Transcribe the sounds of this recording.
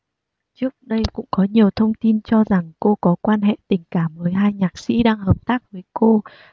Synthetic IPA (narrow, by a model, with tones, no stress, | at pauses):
t͡ɕɨ˦˥ək̚ɗə˧jkʊ̰˧˥ŋ͡mkɔ˨˦ɲi˨˩əwt̪ʰə˧wŋ͡mt̪i˧nt͡ɕɔ˧za˨˩ŋko˧kɔ˨˦kwaː˧nɦḛ˧˨t̪ï˨˩ŋ̟kaː˧˩mvəː˨˦jɦaː˧jɲaː˨˩k̚sḭ˧˥ɗaː˧ŋhəː˨˩p̚t̪aː˦˥k̚vəː˨˦jko˧